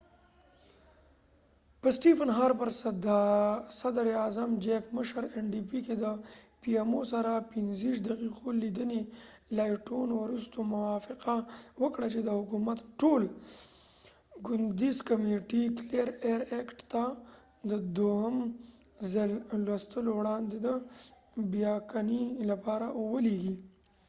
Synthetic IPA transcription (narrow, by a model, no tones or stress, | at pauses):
pəsʈipənɦaɾpəɾsd̪sad̪ɾeazamd͡ʒekməʃəɾeɳɖipiked̪əpiemosaɾapinziʂ̬d̪ɐqiqolid̪əne | lajʈonwɾust̪omʊwɑfɪqawəkɽat͡ʃed̪əhʊkumat̪ʈol | ɡʊnd̪izkameʈiklejɾeɾekʈt̪a | d̪əd̪ohəmzallwast̪əlowɽɑnd̪ed̪ə | bjɑkanilapɑɾawəleɡi